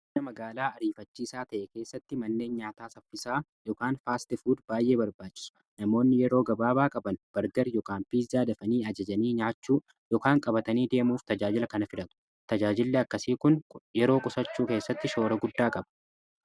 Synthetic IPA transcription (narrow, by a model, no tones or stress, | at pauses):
ɐmɐɡaːlaːɐɾiːfɐt͡ʃːiːsaːt̪ɐʔɛke̞ːsːɐt̪ːɪmɐnːe̞ːnɲaːt̪aːsɐfːɪsaːjɔkaːnfaːst̪ɪfuːd̪b̥aːjʔe̞ːbɐɾbaːt͡ʃːɪ̥s | nɐmo̞ːnːɪjɛɾo̞ːɡɐbaːbaːkʼɐbɐnb̥ɐɾɡɐɾjɔkaːnfiːsd̪aːd̪ɐfɐniːɐd͡ʒɐd͡ʒɐniːɲaːt͡ʃːuː | jɔkaːŋkʼɐbɐt̪ɐniːd̪e̞ːmuːft̪ɐd͡ʒaːd͡ʒɪlɐkɐnɐfɪᶑɐt̪ʊ̥ | t̪ɐd͡ʒaːd͡ʒɪlːɛɐkːɐsiːkʊnjɛɾo̞ːkʼʊsɐt͡ʃːuːke̞ːsːɐt̪ːɪʃo̞ːɾɐɡʊd̪ːaːkʼɐbɐ̥